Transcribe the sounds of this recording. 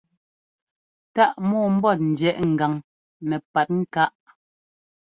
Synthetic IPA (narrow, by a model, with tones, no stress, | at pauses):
ta˦ʔmɔː˦˨m̩˦bɔ˦˨t̚n̩˨d͡ʒɛ˨ʔŋ̩˨ɡa˨ŋ | nɛ˨pa˨t̚ŋ̩˦ka˦ʔ